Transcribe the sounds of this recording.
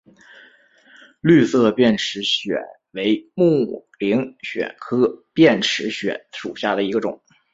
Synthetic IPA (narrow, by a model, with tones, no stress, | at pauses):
ly˥˧sɤ˥˧pjɛ˥˩nʈ͡ʂʰɻ̩˧˥ɕɥɛ̰˨˩˦ | we˧˥ɪmu˥˩li˧˥ŋɕɥɛ̰˨˩nkʰɤ˥pjɛ˥˩nʈ͡ʂʰɻ̩˧˥ɕɥɛ̰˨˧˩nʂu˨˩ɕja˥˩d̪ə˩i˧˥ɡə˧ʈ͡ʂʊ̰˨˩˦ŋ